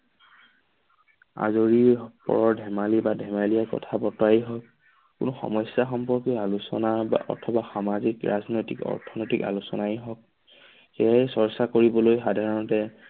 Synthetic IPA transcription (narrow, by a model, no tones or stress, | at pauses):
a̰zoɹipɔ̰ɹɔɹdʱɛmalibadʱɛmaliakɔ̰tʰabɔtɔaiɦɔk̚ | kʊnɔxɔ̰mɔsjaxɔmpɔɹkialusɔnaba̰ʔɔ̰tʰɔbaxamazikɹa̰znojtikɔ̰ɹtʰɔnɔjtika̰lusɔnajɦɔk̚ | xɛsɔɹsakoɹibɔlojxadʱaɹɔntɛ